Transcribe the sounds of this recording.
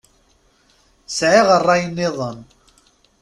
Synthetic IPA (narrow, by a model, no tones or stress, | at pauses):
sʕeʁərˤːɑjənːɪðˤən